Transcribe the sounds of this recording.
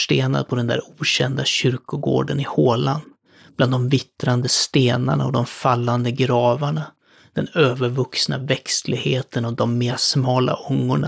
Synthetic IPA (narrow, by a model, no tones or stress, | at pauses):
ʂʈeːna̰d̪̚pʰɔd̪ɛnd̪æ̰ːɾuːɕɛnd̪aɕʏɾkʊɡo̰ːɖənɪhoːland̪ | b̥land̪ɔmvɪt̪ɾand̪əst̪eːna̰ɳaɔd̪ɔmffalːand̪əɡɾɑːvaɳa | d̪̥ɛnøːvəɾvɵksna̰vɛkslɪɡheːt̪ʰənɔd̪ɔmːeːsmɑːla̰ʔʊŋːʊɳa